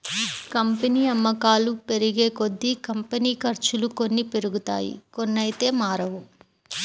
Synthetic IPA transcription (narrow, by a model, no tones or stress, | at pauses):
kɐmpɐniːɐmːɐkaːlupe̞ɾiɡe̞ːkod̪ːikɐmpɐniːkɐɾt͡ʃuluko̞nːipeɾuɡut̪a̰ːjḭkonːɐjt̪e̞ːmaːɾɐʋu